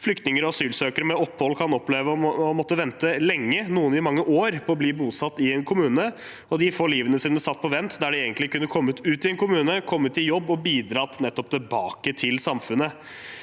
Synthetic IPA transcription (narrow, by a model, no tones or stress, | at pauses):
flʏkt̪nɪŋəɾɔɑsyːlsøːkəɾəmɛɔpːhɔlːkʰɑnɔpleːʋəɔɔmɔt̪ːəʋɛnt̪əlɛŋːənuːənɪmɑŋːəʔoːɾpʰɔɔbliːbuːsɑt̪ːɪɛnkʰʊmʉːnə | ɔd̪ɪfoːɭiːʋənəsiːnəsɑt̪̚ːpʰɔʋɛnt̪d̪æɖɛeːɡənt̪lɪkʉnːəkʰɔmːʉt̪ʉːt̪ɪɛnkʊmʉːnəkʰɔmːət̪ːɪljɔbːɔbiːd̪ɾɑt̪nɛt̪ːɔp̚t̪ʰɪbɑːkət̪ʰɪlsɑmfʉnə